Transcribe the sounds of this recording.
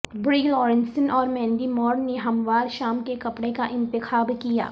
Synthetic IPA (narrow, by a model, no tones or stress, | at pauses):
bɾilɔːɾɪ̃nsənɔːɾmɛ̃ːnɖimɔːɾnneɦɐmʋaːɾʃaːmkekɐpɽekaʔɪ̃nt̪ɪxaːbkija̰ː